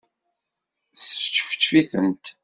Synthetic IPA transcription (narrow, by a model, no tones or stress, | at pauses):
θə̥ə̥t͡ʃːfə̥t͡ʃːfiθənt̪